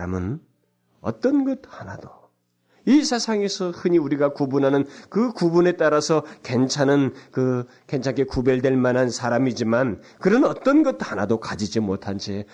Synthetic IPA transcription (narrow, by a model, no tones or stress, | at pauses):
amɯn | ʌ̰t͈ʌnɡʌd̚hanad̥o | isʰesʰaŋe̞sʰʌhɯɲiuɾiɡakubunɦanɯnkɯkubune̞t͈aɾasʰʌke̞nt͡ɕʰanɯnkɯ | ke̞nt͡ɕʰankʰe̞kube̞ɭdwe̞ɭmanɦansʰaɾamid͡ʑiman | kɯɾʌnʌt͈ʌnɡʌt̚hanadokad͡ʑid͡ʑimotʰand͡ʑe